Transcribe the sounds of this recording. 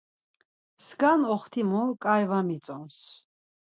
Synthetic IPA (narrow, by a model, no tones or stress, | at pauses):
sɡanɔχt̪ʰimukʼajvamit̪t͡sʼɔns